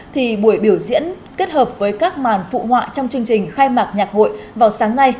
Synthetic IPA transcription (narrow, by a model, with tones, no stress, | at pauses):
t̪ʰi˨˩ɓu˧˩əjɓi˧˩əwzḭ˧˥ən | ke˦˥t̚həː˨˩p̚vəː˨˦jkaː˦˥k̚maː˨˩nfṵ˧˨hwa̰ː˧˨t͡ɕɔ˧wŋ͡mt͡ɕɨ˧əŋt͡ɕï˨˩ŋ̟xaː˧jmaː˨˩k̚ɲaː˨˩k̚ho̰˧˨jvaː˨˩wsaː˨˦ŋna˧j